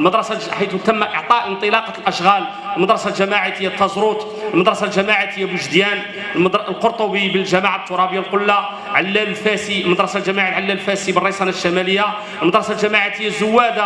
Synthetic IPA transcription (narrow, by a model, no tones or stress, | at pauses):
lməd̪ɾˤɑsaħit̪t̪əmːaʔəʕt̪ˤɑʔənt̪ˤəlɑqɑt̪lʔæʃɣæl | əlməd̪ɾˤɑsalʒæmaʕit̪əjːat̪ːɑzɾut̪ˤ | əlməd̪ɾˤɑsalʒæmaʕat̪əjːabəʒd̪jæn | ld̪lqoɾt̪ˤobibəlʒæmaʕat̪ːuɾˤɑbəjːalqʊlːa | ʕalːællfæsilməd̪ɾˤɑsalʒæmaʕalʕalːællfæsibərˤːisɑnæt̪ʃːæmæləjːa | əlmɑd̪ɾˤɑsalʒæmaʕat̪əjːazʊwːæd̪a